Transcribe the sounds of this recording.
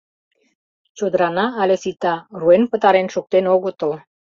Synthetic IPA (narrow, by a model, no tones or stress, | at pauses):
t͡ʃod̪ɾanaːlesit̪aruenpət̪aɾenʃok̚t̪enoɡot̪ol